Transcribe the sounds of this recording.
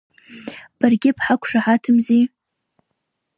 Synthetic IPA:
b̥arɡʲɪpʰħakʷʰʂaħatʰɨmzi

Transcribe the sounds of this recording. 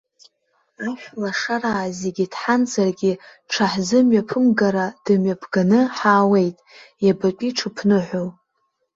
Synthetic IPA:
raħʲʷᶣlaʂaraːzeɡʲidħand͡zarɡʲi | ʈ͡ʂʰaħzɨmɥapʰɨmɡaɾadɨmɥapʰɡanɨħaːwe̞jtʼjabakʲʷʼiʈ͡ʂʰɨpʰnɨħʷow

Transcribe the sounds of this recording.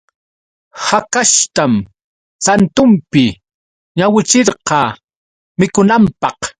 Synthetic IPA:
hakaʃt̪am | sant̪ʊmpɪ | ɲawɪt͡ʃɪɾqɑ | mɪkʊnampɑq

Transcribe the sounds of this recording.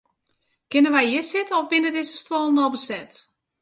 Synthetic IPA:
kɪnənʋɛjjɪsɪtəɔfbɪnədɪsəstwɔːlˠnɔbəsɛt

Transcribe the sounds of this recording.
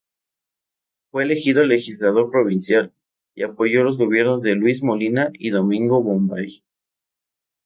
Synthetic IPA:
fwe̞ːle̞xiðole̞xizlað̞o̞ɾpɾo̞βinsjal | ḭapo̞ʝolo̞zɣo̞βje̞ɾno̞zðe̞lwizmo̞linaʔiðo̞mĩŋɡo̞βombaj

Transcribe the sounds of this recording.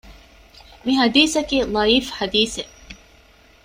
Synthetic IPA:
miɦɐd̪iːsɐkilˤɑiːfħad̪iːse

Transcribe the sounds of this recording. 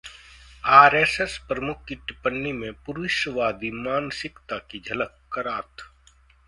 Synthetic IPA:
aːɾeːsespɾəmʊk̚ʰkiʈɪpənːimẽpʊɾʋɪʃəʋaːd̪imaːnsɪkt̪akid͡ʒʱɐləkːəɾaːt̪ʰ

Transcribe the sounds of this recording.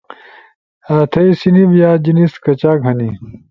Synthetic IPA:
aːt̪ʰɐisinibjaːd͡ʑiniskɐt͡ɕaːkɦɐni

